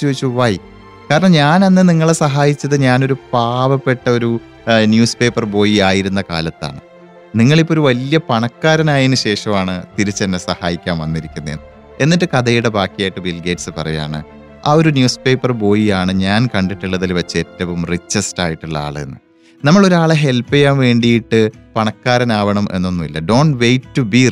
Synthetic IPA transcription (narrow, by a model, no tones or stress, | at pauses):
t͡ɕːuʋit͡ɕːuʋaj | kaːɾɐɳɐmɲaːnenːɨniŋːɐɭesɐɦaːjit͡ɕːɐðɨɲaːno̞ɾupaːʋɐpːe̞ʈːɐo̞ɾu | njuːspe̞ːpːɐrbo̞ːjiaːjiɾunːɐka̰ːlɐt̪ːa̰ːɳɨ | niŋːɐɭipːo̞ɾuʋɐlijɐpɐɳɐkːaːɾɐnaːjinɨɕe̞ːʂɐmaːɳɨt̪iɾit͡ɕːɐnːesɐhaːjikʲːaːmʋɐnːiɾikʲːunːɐḛnːɨ | e̞nːiʈːɨkɐðɐjuɽe̞baːkːijaːjiʈːɨbilɡeːʈsɨpɐrɐja̰ːɳɨ̰ | aːo̞ɾunjuːspe̞ːpːɐrbo̞ːjijaːɳɨɲaːnkɐɳɖiʈːiɭːɐðilʋɐt͡ɕːɨe̞tːɐʋumrit͡ɕːestaːjiʈːuɭːɐa̰ːɭḛnːɨ | nɐmːɐɭo̞ɾuaːɭeɦe̞lpːijaːnʋe̞ːɳɖijiʈːɨpɐɳɐkːaːɾɐnaːʋɐɳɐmʔe̞̰nːo̞nːuʋilːɐɖo̞ːɳɖʋejtːubi